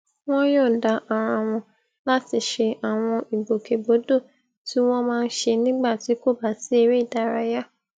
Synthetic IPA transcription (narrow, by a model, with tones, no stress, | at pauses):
w̃ɔ̃˦jɔ˦˨da˨ʔa˨ɾ̃ã˧˨w̃ɔ̃˧ | la˦ti˧ʃe˧ʔa˨w̃ɔ̃˧i˨ɡ͡bo˨ke˨bo˨˦do˦˨ | ti˦w̃ɔ̃˦mãː˦˧n̩˦ʃe˧nĩ˦ɡ͡ba˦˨ti˨˦ko˦˨ba˨si˨˦e˦˧ɾe˦i˦˨da˨˦˨ɾa˧ja˦